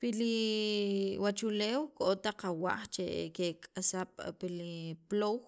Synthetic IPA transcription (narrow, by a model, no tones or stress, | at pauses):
pili | wat͡ʃuleːwkʼot̪aqawa̰ʔχt͡ʃḛkekʼasaɓ̥piliplow